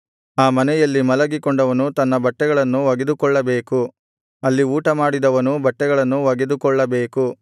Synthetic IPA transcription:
aːmɐnɛjɐlːimɐlɐɡikɔɳɖɐʋɐnut̪ɐnːɐbɐʈːɛɡɐɭɐnːuʋɐɡed̪ukɔɭːɐbeːku | ɐlːiuːʈɐmaːɽid̪ɐʋɐnubɐʈːɛɡɐɭɐnːuʋɐɡed̪ukɔɭːɐbe̞ːku

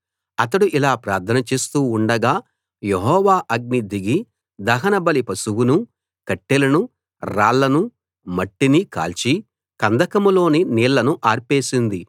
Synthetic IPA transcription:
ɐt̪ɐɽuʔilaːpɾaːɾt̪ʰɐnɐt͡ʃe̞ːst̪uːɳɖɐɡaː | jeɦɔːʋaːʔɐɡ̚nid̪iɡi | d̪ɐɦɐnɐbɐlipɐsuwunu | kɐʈːilɐnu | ɾaːɭːɐnu | mɐʈːinika̰ːlt͡ʃi | kɐnd̪ʱɐkɐmulo̞ːniniːɭːɐnuʔaːɾpe̞ːsind̪i

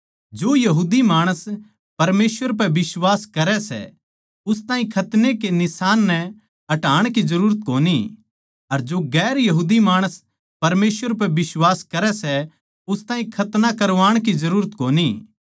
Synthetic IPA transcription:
d͡ʒoːjɐɦuːd̪imaːɽ̃əs | pɐɾmeːsʋəɾp̬ɛbɪswaːskɐɾɛsɛ̰ | ʊst̪aːĩkʰɐt̪nekenɪsaːnːɛ | ɐʈaːɽ̃kizɐɾuːɾət̪̚koːni | ɐɾd͡ʒoɡɛːɾjɐɦuːd̪imaːɽ̃əs | pɐɾmeːsʋəɾp̬ɛbɪswaːskɐɾɛsɛ | ʊst̪ãːĩkʰɐt̪nakɐɾʋaːɽ̃kizɐɾuːɾət̪koːni

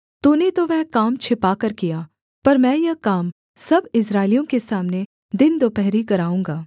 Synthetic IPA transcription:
t̪unet̪oʋɛɦkaːmt͡ʃʰɪpakɐɾkijaː | pɐɾmɛ̃ːjɐkaːm | sɐbɪs̬ɾaːɪlijõkesaːmne | d̪ɪnd̪oːpɛɦɾikɐɾaːũːŋɡaː

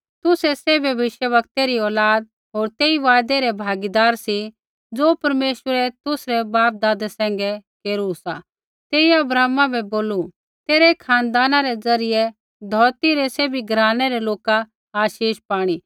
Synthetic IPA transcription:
t̪ʊsɛsɛːbʱjɐʋɪʃjəʋɐkt̪eɾiɔːlaːd̪̚ | ɦoːɾt̪eːiʋaːd̪ɛɾɛbʱaːɡid̪aːɾsi | d͡zoːpɐɾmeːʃəɾɛt̪ʊsɾɛbaːp̚d̪aːd̪ɛsɛ̃ːŋɡɛkeːɾusa̰ | t̪eːiɐbɾaːmãbʱɛboːlu | t̪eːɾɛkʰãːnd̪aːnaɾɛd͡zɐɾɪjɛ | d̪ʱɔːɾt̪iɾɛseːbʱiɡɾaːnɛɾɛloːka | aːʃiːʃpaːɽ̃i

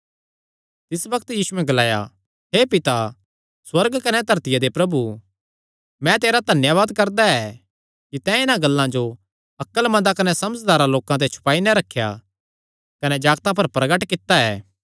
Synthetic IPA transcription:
t̪ɪsbɐkt̪jiːsuɛ̃ɡɐlaːja̰ | ɦeːpɪt̪a | swɐɾɡkɐnɛd̪ʱɐɾt̪ɪjad̪epɾɐbu | mɛ̃t̪eːɾad̪ʱɐnjaʋaːd̪kɐɾd̪aɛ | kit̪ɛ̃ɪnãɡɐlːãd͡ʒo | ɐkːəlmɐ̃d̪akɐnɛsɐməd͡ʒd̪aːɾaloːkãt̪̬ɛt͡ʃʰʊ̥paːinɛɾɐkʰːja̰ | kɐnɛd͡ʒaːɡt̪ãp̬ɐɾpɾɐɡəʈkɪt̪ːaɛː

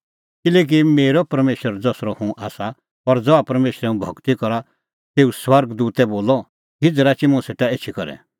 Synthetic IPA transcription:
kɪlɛːk̬imeːɾɔpɐɾmeːʃəɾd͡zɔːsɾɔhũʔaːsa | ɔɾd͡zɔapɐɾmeːʃɾɛũbʱɔɡt̪ikɔɾa | t̪eːuswɐɾɡd̪uːt̪ɛboːlɔ | ɦɪd͡zɾat͡ʃimʊ̃seːʈaeːt͡ʃʰikɔɾɛ̰

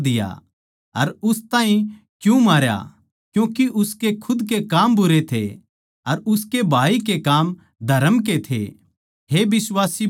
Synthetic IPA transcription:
d̪ɪja̰ | ɐɾʊst̪ãːɦĩ | kjũmaːɾja̰ | kjũːkiʔʊskekʰʊd̪kekaːmbʊɾet̪ʰḛ | ɐɾʊskebʱaːikekaːm | d̪ʱɐɾəmk̬et̪ʰḛ | ɦebɪswaːsi

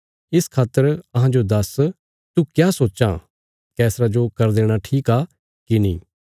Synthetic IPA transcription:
ɪskʰaːt̪ːəɾɐɦãd͡ʒod̪ɐs | t̪ukjaːsoːʃã̰ | kɛːsɾad͡ʒokɐɾd̪eːɽ̃aʈʰiːkaː | kinḭ̃ː

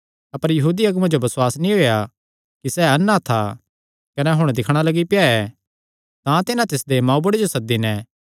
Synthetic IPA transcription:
ɐpəɾjɐɦuːd̪iɐɡmãd͡ʒobɐswaːsnĩɦoːja | kisɛːɐnːat̪ʰa̰ | kɐnɛɦʊɽ̃d̪ɪkʰɽ̃alɐɡipɪjaɛ | t̪ãt̪ɪnãt̪ɪsd̪emãːũbʊɽed͡ʒosɐk̚d̪inɛ̃

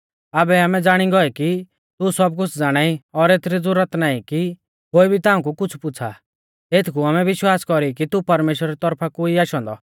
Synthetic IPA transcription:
abɛaːmɛd͡zaːɽ̃iɡɔɛki | t̪usɔb̚kʊt͡sʰd͡zaːɽ̃aːiɔɾeːt̪ʰɾid͡zʊɾət̪naːĩki | ɦoːibʱit̪ãːũkukʊt͡sʰpʊt͡sʰa̰ | eːt̪ʰkuaːmɛʋɪʃwaːskɔɾikit̪upɐɾmeːʃwəɾaɾit̪ɔɾpʰakuiaːʃɔ̃ːnd̪ɔ̰

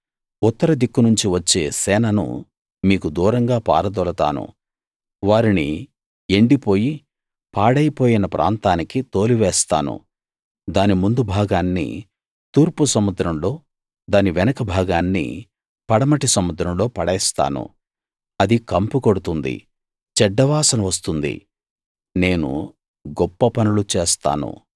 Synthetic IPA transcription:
ut̪ːɐɾɐd̪ikːunuɲt͡ʃiʋɐt͡ʃːe̞ːsɛːnɐnṵ | miːkud̪uːɾɐŋɡaːpa̰ːɾɐd̪ɔlɐt̪a̰ːnṵ | ʋaːɾini | eɳɖipo̞ːji | paːɽɐjɐpo̞ːjinɐpɾʔa̰ːnt̪aːnikit̪o̞ːliʋɛːst̪a̰ːnṵ | d̪aːnimund̪ubʱaːɡaːnːḭ | t̪uːɾpusɐmud̪ɾɐmlo̞ː | d̪aːniʋɛnɐkɐbʱaːɡaːnːḭ | pɐɽɐmɐʈisɐmud̪ɾɐmlo̞ːpɐɽɛːst̪a̰ːnṵ | ɐd̪ikɐmpukoɽut̪und̪ḭ | t͡ʃɛɖːɐʋaːsɐnɐʋɐs̬t̪und̪ḭ | ne̞ːnṵ | ɡɔpːɐpɐnulut͡ʃeːst̪a̰ːnṵ

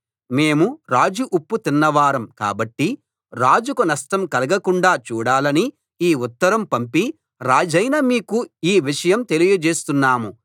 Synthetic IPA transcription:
me̞ːmuɾaːd͡ʒuʔupːut̪inːɐʋaːɾɐmka̰ːbɐʈːi | ɾaːd͡ʒukunɐsʈɐmkɐlɐɡɐkuɳɖaːt͡ʃuːɽaːlɐni | iːut̪ːɐɾɐmpɐmpi | ɾaːd͡ʒɐjnɐːmiːkuiːʋiʂɐjɐmt̪e̞lijɐd͡ʒe̞ːst̪unːaːmu

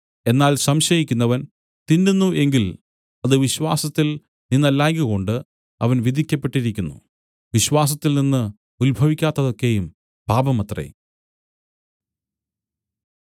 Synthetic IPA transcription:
e̞nːaːlsɐmɕɐjikʲːunːɐʋɐn | t̪indunːuʔe̞ŋɡil | ɐðɨʋiɕwaːsɐt̪ːil | ninːɐlːaːŋɡuɣo̞ɳɖɨ | ɐʋɐnʋid̪ʱikʲːɐpːeʈːiɾikʲːunːṵ | ʋiɕwaːs̬ɐt̪ːilninːɨ | ulbʱɐʋikʲːaːt̪ːɐðo̞kːe̞jum | bʱaːbɐmɐt̪rɐ̰j

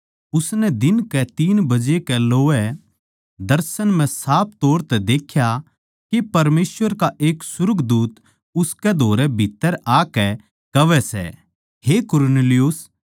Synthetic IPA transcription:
ʊsnɛd̪ɪnkɛt̪iːnbɐd͡ʒekɛloːɛ | d̪ɐɾsənmɛ̃saːp̚t̪oːɾt̪ɛd̪eːkʰja | kipɐɾmeːsʋəɾkaʔeːksʊɾəɡd̪uːt̪ | ʊskɛd̪ʱoːɾɛbʱɪt̪ːəɾaːkɛ | kɐʋɛsɛ̰ | ɦeːkʊɾneːlɪjʊs

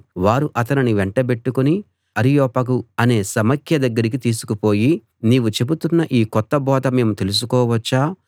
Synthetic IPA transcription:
ʋaːɾuʔɐt̪ɐniniʋeɳʈɐbe̞ʈːukuni | ɐɾijɔːpɐk̬uɐne̞ːsɐmɐkʰjɐd̪ɐɡːɐɾik̬it̪iːsu̥kupo̞ːji | niːʋut͡ʃe̞but̪unːɐʔiːkɔt̪ːɐbɔːd̪ɐme̞ːmut̪e̞lus̬ukɔːʋɐt͡ʃːaː

